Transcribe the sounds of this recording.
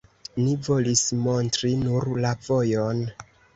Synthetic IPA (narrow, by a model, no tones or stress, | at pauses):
nivo̞lismo̞ntɾinuɾlavo̞jo̞n